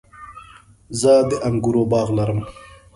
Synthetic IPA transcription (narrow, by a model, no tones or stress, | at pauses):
zəd̪əʔɐŋɡuɾoːbɑːɣlɐɾəm